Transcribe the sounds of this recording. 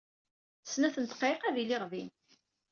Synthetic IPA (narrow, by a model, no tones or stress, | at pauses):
snæθənt̪qeqæðilɪʁvin